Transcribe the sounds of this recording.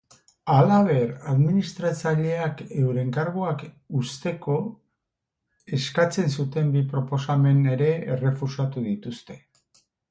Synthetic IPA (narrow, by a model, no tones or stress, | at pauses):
alaβ̞e̞ɾaðminist̪ɾat͡saʎe̞ake̞wɾe̞ŋkaɾɣoak | ust̪e̞ko̞ | e̞skat͡se̞ns̬ut̪e̞mbipɾo̞po̞same̞ne̞ɾe̞ːre̞fusat̪uðit̪ust̪e̞